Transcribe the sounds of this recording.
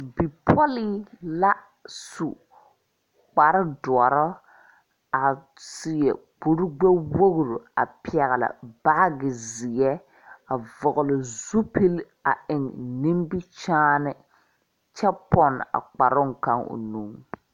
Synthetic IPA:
bi˨pʰɔ˦liː˦la˦ | su˨ | k͡pa˨ɾɪ˦dʊ˨ɔ˨ɾɔ˦ | a˨ | sɪ˨jɛ˨k͡pu˨ɾʊ˦ɡ͡bɛ˦wo˦ɣɾu˨a̰˨pɪ˦˨ɛ˨ɣɪ˨la̰˨ba˦ɡɪ˨zɪ˨ɛ˦ | a˨vɔ˨ɣʊ˨lɪ˨zu˦pi˦l | a˨ɪ˨ŋnĩ˦mbi˦t͡ʃaː˦nɪ˦ | t͡ʃɛ˦pɔ˦na̰˨k͡pa˨ɾʊ˦ŋ˨ka˦ŋʊ̰˨nu˦ŋ

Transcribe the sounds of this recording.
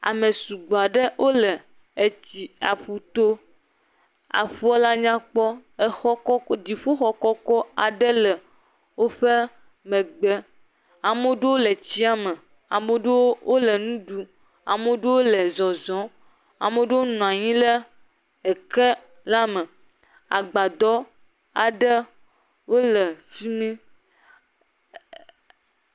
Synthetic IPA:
a̰˨mẽ˨su˨ɡ͡bo˨a˨ɖe˦wʔo˦lɛ˨ | e˨t͡ɕi˨a˨ɸu˨t̪o˦ | a̰˨ɸu˦a˦la˦ɲã˦k͡pɔ˦ə˨xɔ˦kɔ˦d̪i˨ɸo˦xɔ˦kɔ˦kɔ˦a˨ɖɛ˦lɛ˨ | wo˦ɸe˦ | mɛ̃˨ɡ͡bɛ˦ | a˨mo˦ɖe˦wo˦le˨t͡ɕi˦a˨mɛ̃˨ | a˨mo˦ɖe˦wo˦wʔo˦lə˨nũ˦ɖu˦ | a˨me˦ɖe˦wo˦lɛ˨zɔ˨zɔ̃˨˦ | a̰˨me˦ɖe˦wo˦nɔ̃˨a˨ɲĩ˦lə˦ | e˨ke˦ | la˦mɛ̃˨ | a̰˨ɡ͡ba˨d̪ɔ˦ | a˨ɖə˦ | wo˦lə˨fi˦mĩ˦

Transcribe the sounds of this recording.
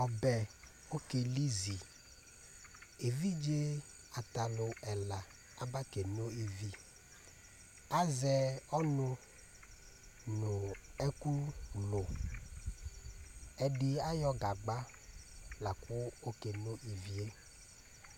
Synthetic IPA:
ɔ˨bɛ˨ | o˦ke˨li˦zi˨ | e˨vi˦d͡ʒe˦ | a˨t̪a˨lʊ˨ɛ˨la˨ | a˦ba˦ke˨no˦i˨vi˦ | a˦zɛ˦ɔ˦nʊ̃˦ | nʊ̃˨ɛ˦ku˦lʊ˨ | ɛ˨ɖɪ˦a˦jɔ˦ɡa˨ɡ͡ba˦ | la˨kʊ˦o˦ke˨no˦ʔi˨vi˦e˦

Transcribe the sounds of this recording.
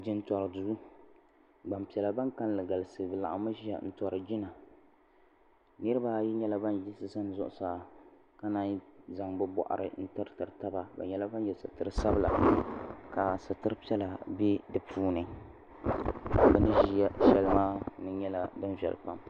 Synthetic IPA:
d͡ʒɪ˦n̩˦tɔ˨ɾɨ˨du˦ | ɡ͡ba˨mpi˨ɛ˨la˨ba˦ŋka˦˨llɨ˨ɡa˨lɨ˨sɨ˨dɨ˨la̰˨ʔa̰˨ma˦ʒi˦ja̰˨n̩˦tɔ˨ɾɨ˨d͡ʒi˦na˨ | nɨ˦ɾɨ˦baː˦jɛ˦ɲɛ˦la˦ba˦n˨ji˦sɨ˦sa˦n˨zʊ˦ʔʊ˨saː˨ | ka˦na˦n˦za˨ŋbɛ˦bɔ̰˨ʔa̰˨ɾɨ̰˨n̩˦tɨ˦ɾɨ˦tɨ˨ɾɨ˨ta˦ba˨ba̰˨ɲɛ˦la˦ba˦njɛ˨sɨ̰˨tɨ˦ɾɨ˦sa˦bɨ˦la̰˨ | ka˨sa˨tɨ˦ɾɨ˦pi˦ɛ˦la˨bɛ˦dɨ˨pʰuː˦nɨ˨ | bɛ˦nɨ˦ʒi˦ja˦ʃɛ˦lmaː˦nɨ˦ɲɛ˦la˦dɨ˦nvɛ̰˨l̰pa˦m

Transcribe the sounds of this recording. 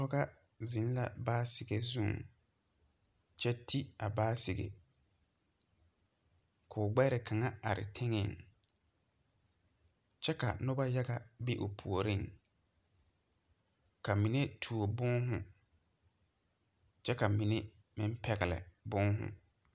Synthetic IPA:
ɔ˦ɣa˦ | zi˨˦n˦la̰˨baː˦sɪ˨ɡe˨zũ˦˨ŋ | t͡ʃɛ˦tʰi˦a˨baː˦sɪ˨ɡḛ˨ | kʰʊː˨ɡ͡bɛ˦ɾɪ˨kʰa˨ŋa˦a˨ɾɪ̰˨tʰɛ˦ŋɛ˦˨ŋ | t͡ʃɛ˦ka̰˨nʊ˦ba˦ja˦ɡa˨bi˦ʔʊ̰˨pʰu˨o˨ɾi˦ŋ | ka˨mĩ˨ne˦tʰu˨o˨bʊ˦ŋɦʊ̰̃˨ | t͡ʃɛ˦ka˨mi˨ne˦ | mɪ̃˦m̩˦pʰɛ˨ɣɪ˨lɛ̰˨bʊ˦ŋɦʊ̰˨

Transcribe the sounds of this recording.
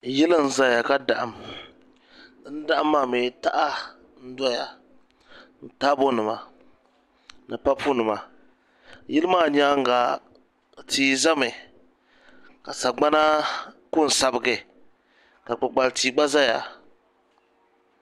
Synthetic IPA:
jɛ˦lɨ˦n̩˦za˦ja˨ka˦da˨ʔa˨m˦ | n̩˦da˦ʔa˦mːa˦˨me˨ta˦ʔa˦ | n̩˦da˦ja˨ | n̩˨ta˦bo˦nɨ˨ma˨ | nɨ˨pa˦pʰu˦nɨ˨ma˨ | ji˦lɨ˦maː˦˨ɲa˦ŋ˦ɡa˨ | tʰiː˨˦za˦mɨ˨ | ka˨sa˨ɡ͡ba˦na˦kʊ˦˨n̩˨sa˨bɨ˨ɡɨ˨ | ka˨k͡pa˨k͡pa˨ltiː˨ɡ͡ba˦za˦ja̰˨

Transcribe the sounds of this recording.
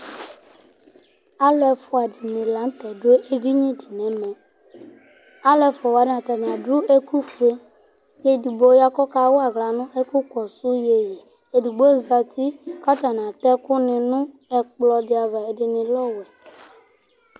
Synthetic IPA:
a˦lɛ˨fɔ˨a˨di˨nɪ̃˨la˨˦n̩˦t̪ɛ˨do˦e˦ʔe˦ɡi˦ɲĩ˦di˨nɛ˨mɛ˨ | a˦lɛ˦fɔ˨wa˨dɪ˦na˨t̪a˨ñ˨a˨dɾu˦e˦ku˦fe˦ | je˦˨di˨bo˦ja˦kɔ˦ka˦wo˦a˨ɣla˨nʊ̃˦ʔe˦ku˦kɔ˨su˦je˨je˨ | e˨di˨ɡ͡bo˦za˨t̪i˦ka˦t̪a˨n˨ã˨t̪ɛ˦kʊ˦nɪ̃˨nʊ̃˦ | ɛ˨k͡plɔ˨dɪ˦a˨va˨e˨dɪ˨nɪ̃˨lɔ˦wɛ˨

